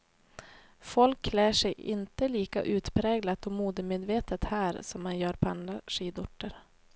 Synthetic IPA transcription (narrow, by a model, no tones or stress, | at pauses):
fɔlkʰːlæːʂɛjɪ̰nt̪əliːka̰ʔʉ̟ːt̪pʰɾɛːɡlat̪ɔmuːd̪əmeːd̪veːt̪ət̪hæːɾsɔmːanjœːɾpʰand̪ɾaʂiːd̪ʊʈːəɾ